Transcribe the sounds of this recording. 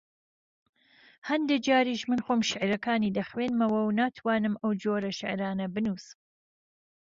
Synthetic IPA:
hɐnd̪ed͡ʒaːɾiːʃmɨnxoːmʃɪʕɾɐkaːniːd̪ɐxweːnmɐwɐwnaːt̪ʰwaːnɨmʔɐwd͡ʒoːɾɐʃɪʕɾaːnɐbɨnuːsɨm

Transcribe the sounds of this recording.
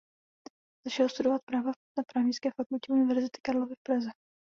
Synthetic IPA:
z̥aʃɛlost̪udovat̪̚pɾaːva | napɾaːvɲɪskɛːfakulcɛunɪvɛɾzɪt̪ɪ̥kaɾlo̞vɪfpɾazɛ

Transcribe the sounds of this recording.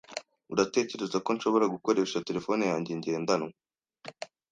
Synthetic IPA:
uɾate̞ːce̞ɾe̞zako̞nʃo̞βo̞ɾaɡuko̞ɾe̞ʃate̞ɾe̞fo̞ːnejaːɲɟe̞ɲɟe̞ːndanwe

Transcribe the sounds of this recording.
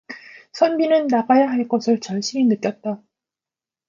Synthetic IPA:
sʰʌnbinɯnːaɡajaɦaɭk͈ʌsʰɯɭt͡ɕʌɭɕ͈ʰiminɯk͈jʌt̚t͈a

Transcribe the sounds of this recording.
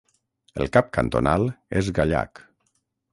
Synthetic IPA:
əlˠkap̚kant̪onalˠezɣaʎa̰k

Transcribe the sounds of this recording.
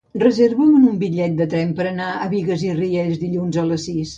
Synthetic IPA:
rəzeɾβuənumbiʎɛt̪̚d̪ət̪ɾɛmpəɾənaəβiɣəzirieʎzðiʎunzələsːis

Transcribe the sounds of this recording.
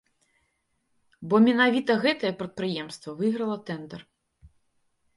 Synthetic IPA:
bɔmʲɛnavʲit̪ɐɣɛt̪ɐjɛpɾɐt̪̚pɾɨjɛmst̪vɐvɨɣɾɐlˠɐt̪ɛnd̪ɛr

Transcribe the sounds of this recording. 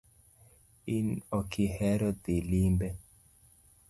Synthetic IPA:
inɔkʰihɛɾɔd̪ilimbɛ

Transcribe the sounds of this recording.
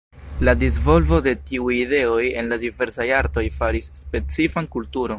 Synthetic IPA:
ladizvo̞lvo̞de̞tiujide̞o̞je̞nladive̞ɾsajaɾto̞jfaɾisːpe̞t͡sifankultuɾo̞n

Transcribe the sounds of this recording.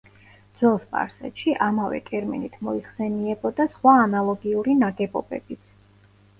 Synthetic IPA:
d̪z̥wɛlˠspʼa̰ɾsɛ̰t̪ʃiʔamavɛ̰kʼɛɾmɛ̰nit̪ʰmɔiχsɛniɛbɔd̪asχwaːnalˠɔɡiuɾinaɡɛbɔ̰bɛ̰bit̪sʰ

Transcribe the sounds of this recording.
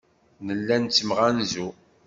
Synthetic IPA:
nəlːænt͡sːəmʁænzu

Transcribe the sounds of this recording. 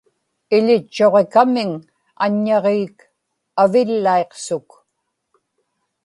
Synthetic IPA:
ɪʎɪt͡ʃːo̞ʁe̞kamɪŋ | a̰ɲːɑʁiːk | avɪlːaeqsʊk

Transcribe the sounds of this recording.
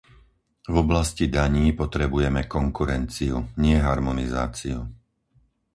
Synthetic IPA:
vɔblascid̪aɲiːpɔt̪ɾɛbujɛmɛkɔŋkuɾɛnt͡siuɲɪɛɦaɾmɔniza̰ːt͡siu

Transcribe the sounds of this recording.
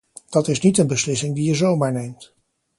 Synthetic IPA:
d̥ɑtɪsnitənbəslɪsɪŋdijəzowmaːɹnejmt

